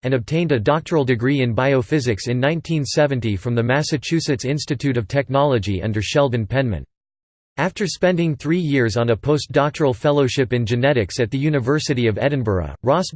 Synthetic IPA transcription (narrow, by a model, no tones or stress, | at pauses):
ɨ̃nɨb̚tʰẽɪ̃ndɨdɑk̚tʰə˞l̩ˠdɨɡɹiɨ̃nbaɪoʊfɪzɨksɨ̃nːãɪ̃ntʰĩnsɛvɨ̃ntifɹʌ̃mðɨmæsɨt͡ʃʰʉsɨtsɪ̃nstɨtʰʉɾʌv̥tʰɛk̚nɑlˠəd͡ʒiʔʌ̰̃ndə˞ʃɛlˠvɨ̃npʰɛ̃nmɨ̰̃nt | æftə˞spɛ̃ndɪ̃ŋθɹijɪɹzn̩əpʰoʊsd̥ɑk̚tʰə˞l̩ˠfɛlˠoʊʃɪpɨ̃nd͡ʒɨnɛɾɨksɨt̪̚ðɨjʉnɨvɜ˞sɨɾiʌvɛdⁿn̩bə̰˞ə̰ɹɑs